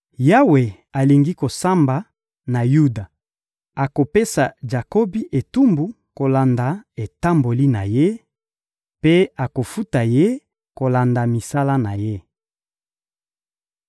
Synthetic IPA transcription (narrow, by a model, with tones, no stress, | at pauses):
ja˦we˨ | a˨li˨ŋɡi˦ko˨sa˦mba˨ | na˨ju˦da˨ | a˨ko˨pe˦sa˨d͡ʒa˨ko˦bi˦ʔe˨tu˦mbu˨ | ko˨la˨nda˨e˨ta˦mbo˨li˦na̰˨je˦ | pe˦a˨ko˨fu˦ta˨je˦ | ko˨la˨nda˨mi˨sa˦la˦na˨je˦